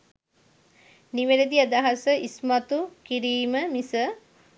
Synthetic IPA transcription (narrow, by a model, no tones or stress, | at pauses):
niʋeɾed̪iad̪aɦasəʔismat̪ukiɾiːməmisə